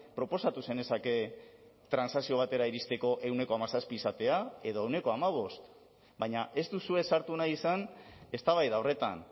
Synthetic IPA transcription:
pɾo̞po̞sat̪use̞ne̞sake̞ | t̪ɾansasio̞β̞at̪e̞ɾaiɾist̪e̞ko̞ʔe̞wne̞ko̞amasaspiːsat̪e̞ae̞ðo̞e̞wne̞ko̞amaβ̞o̞st̪ | baɲaʔe̞st̪usue̞saɾt̪unajisane̞st̪aβajðaore̞t̪a̰n

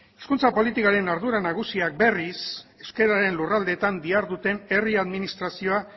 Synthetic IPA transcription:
eskunt͡sapo̞lit̪ikaɾe̞naɾðuɾanaɣ̞usiak̚be̞rise̞ske̞ɾaɾe̞nlurald̪e̞t̪and̪iaɾðut̪e̞ne̞riaðminist̪ɾasio̞a

